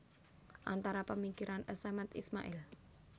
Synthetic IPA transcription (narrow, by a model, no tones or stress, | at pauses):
ʔa̰nt̪aɾapəmikiɾʔanəsamat̪ḭsma̰ʔɪl